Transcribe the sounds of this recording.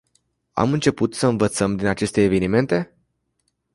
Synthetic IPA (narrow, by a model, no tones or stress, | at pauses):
a̰mɨnt͡ʃe̞put̪səɨnvət̪səmd̪inat͡ʃe̞st̪e̞ːve̞nime̞nt̪e̞